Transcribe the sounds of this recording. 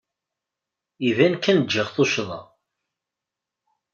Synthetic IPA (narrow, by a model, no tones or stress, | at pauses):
ivænkːænd͡ʒːəʁθoʃðˤɑ̰